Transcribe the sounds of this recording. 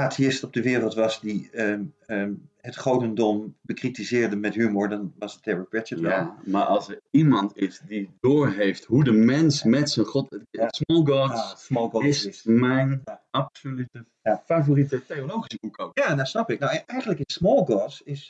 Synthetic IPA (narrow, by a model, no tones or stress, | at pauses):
aːtiɪstɔb̚dəʋɪːrəlˠtʋɑsdiəəɦətχowdəndɔmb̥əkritizɪːɹdəmɛtɦymʊɹdɑnʋɑsəttʰɛɹəɹbɹɛətʋɛlˠmaːɹɑ̰lˠsəɹimɑntɪsdidʊːɹɦejftɦudəmɛnsmɛtsənχɔttsmɔlˠɡɔssmɔlˠɡɔɪsɪsmɛjnaɑpsolytə | afavoritətejolowχisəbukojaːdasnɑpɪk̚nawʔɛjχənləkətsmɔlˠɡɔsɪs